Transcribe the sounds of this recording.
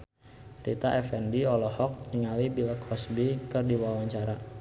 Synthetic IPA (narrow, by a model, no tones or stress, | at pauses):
rḭt̪aʔɛfɛndiɔlɔhɔk̚niŋalibilkʰɔsbikɨrdiwawaɲt͡ʃaɾa